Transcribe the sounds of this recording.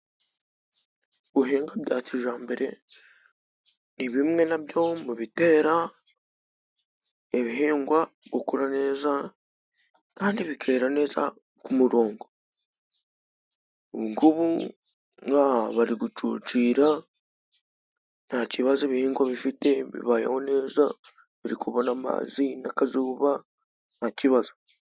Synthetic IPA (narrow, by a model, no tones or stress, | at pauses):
βuɦeːŋɡaβjaːciʒaːmbe̞ɾe̞ | niβimŋe̞naβjo̞muβite̞ːɾa | e̞βiɦeːŋɡwa | ɡokuɾane̞ːza | kaːndiβikʰe̞ːɾane̞ːza̰ | kumuɾoːŋɡo | oβuŋɡuβu | ŋɡaβaɾiɡut͡ʃuːt͡ʃiːɾa | naciβazaeβiheːŋɡwaβifite̞βḭβaja̰hone̞ːza | βiɾikuβonama̰zinakazuːβa | naciβaza